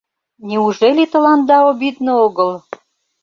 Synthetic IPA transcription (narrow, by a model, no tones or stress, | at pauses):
nʲiuʒelʲit̪ə̆lɑnd̪ɑobid̪nooɣəl